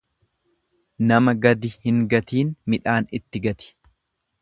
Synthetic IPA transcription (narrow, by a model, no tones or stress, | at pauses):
nɐmɐɡɐd̪ɪhɪŋɡɐt̪iːnmɪᶑaːnɪt̪ːɪɡɐt̪ɪ̥